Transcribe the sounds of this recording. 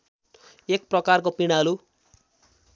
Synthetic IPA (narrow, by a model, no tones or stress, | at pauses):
ek̚prʌkarkopiɽ̃alu